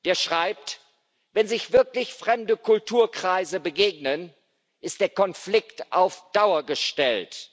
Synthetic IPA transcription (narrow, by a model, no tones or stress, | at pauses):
d̥eːɐʃʁ̥aɪp̚t | vɛnzɪçv̥ɪɐklɪçfʁ̥ɛmdəkʰʊltʰuːɐkʁ̥aɪzəbəɡeːɡnən | ʔɪstd̥eːɐkɔnflɪktʔaʊfd̥aʊɐɡəʃtɛlt